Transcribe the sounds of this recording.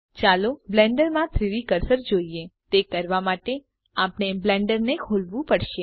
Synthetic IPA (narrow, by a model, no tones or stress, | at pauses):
t͡ʃaloblɛ̃ɳɖəɾmãt̪ʰɾiʋikəɾsəɾd͡ʒoiet̪ekəɾʋamaʈe | apneblɛɳɖəɾnekʰolʋũpəɽʃe